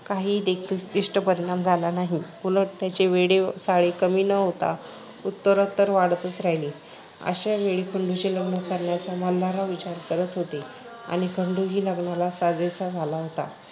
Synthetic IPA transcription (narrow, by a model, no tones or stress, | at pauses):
kaɦiːd̪ekʰiːltiʂʈəpəɾiɽ̃amd͡zʱalanaɦikuləʈt̪jat͡ɕeʋeɽesaɭekəmiːnəɦot̪a̰ | ut̪ːəɾət̪ːəɾʋaɽt̪ət͡sɾajliː | ə̰ɕaʋeɭiːkʰəɳɖut͡ɕeləɡɳəkəɾɳjat͡saməlːaɾaʋit͡ɕaɾkəɾət̪ɦot̪e | a̰ɽ̃ikʰəɳɖuɡiːləɡɳalasad͡zet͡sad͡zʱalaɦot̪a̰